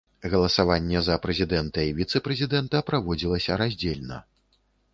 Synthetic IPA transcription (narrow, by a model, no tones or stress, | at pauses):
ɣɐlˠɐsavanʲːɛzɐpɾɛzʲid̪ɛnt̪ɐivʲit̪sɛpɾɛzʲid̪ɛnt̪ɐpɾavɔd͡zʲilˠɐsʲɐɾazʲd͡zʲelʲnɐ̰